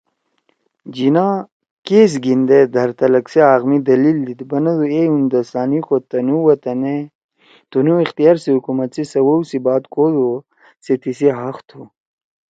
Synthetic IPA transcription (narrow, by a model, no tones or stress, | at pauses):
d͡ʑinaː | keːs̬ɡind̪ed̪ʱɐɾt̪ɐlɐkseaːɣmid̪ɐlild̪id̪bɐnɐd̪ueund̪ɐsaːnixot̪ɐnuwɐt̪ɐne | t̪unuixt̪ijaːɾsiɦukumɐt̪t͡sisɐwɐwsibaːd̪kʰod̪u | set̪isiɦaxt̪ʰu